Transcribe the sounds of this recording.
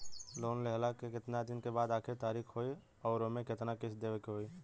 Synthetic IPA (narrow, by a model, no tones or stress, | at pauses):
loːnlɛɦlakekɪt̪nad̪ɪnkebaːd̪aːkʰɪɾt̪aːɾiːkʰɦoːi | ɔːɾomẽkɪt̪nakɪt͡ʃʰd̪eːʋekeɦoːi